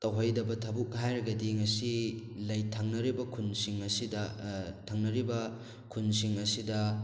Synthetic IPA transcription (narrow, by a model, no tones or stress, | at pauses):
tɐwɦojdɐbɐtʰɐbuk̚ɦajɾɐɡɐdiŋɐsilɐjtʰaŋnɐɾibɐkʰunsiŋɐsidɐtʰɐŋnɐɾibɐ | kʰunsiŋɐsidɐ